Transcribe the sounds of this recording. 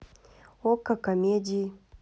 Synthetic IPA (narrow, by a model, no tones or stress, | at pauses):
okːakamed͡ʒi